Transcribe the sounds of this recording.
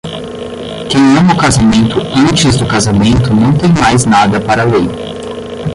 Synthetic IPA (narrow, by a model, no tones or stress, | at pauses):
kẽj̃ɐ̃m̃ʊkazamẽnt̪ʊɐ̃t͡ʃɪzd̪ʊkazamẽnt̪ʊnɐ̃w̃t̪ẽj̃majznad̪ɐpaɾɐlej